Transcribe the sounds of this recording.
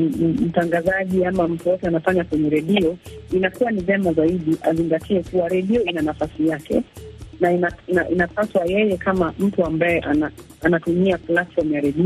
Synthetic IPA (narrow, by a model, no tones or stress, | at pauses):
m̩taŋɡazaʄiamam̩tujɔtɛanafaɲakwɛɲɛɾɛɗiɔinakuwanivɛmazaiɗiʔaziŋɡatʰiɛkuwaɾɛɗiɔinanafasijakʰɛ̰nainainaʔinapaswajɛjɛkʰamam̩tuambajɛʔana | anatumiaplatfɔɾm̩jaɾɛɗiɔ